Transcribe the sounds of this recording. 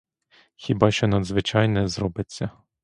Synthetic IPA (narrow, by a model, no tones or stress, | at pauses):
xʲibɑʃt͡ʃɔnɐd̪zʋɪt͡ʃɑjnɛzrɔbɪt͡sʲːɐ